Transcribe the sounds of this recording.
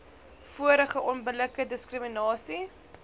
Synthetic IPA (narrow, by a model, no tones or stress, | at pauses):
fuəɾəχəʔɔnbələkədəskrəminɑːsi